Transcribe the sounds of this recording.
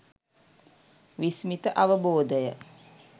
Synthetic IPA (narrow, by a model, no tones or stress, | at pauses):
ʋismit̪əʔaʋəboːd̪əjə